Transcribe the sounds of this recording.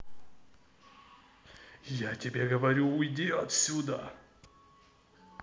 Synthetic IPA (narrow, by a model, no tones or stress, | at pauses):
jatʲɪbʲeɡəvɐɾʲuʊjdʲeɐt̪sʲud̪ə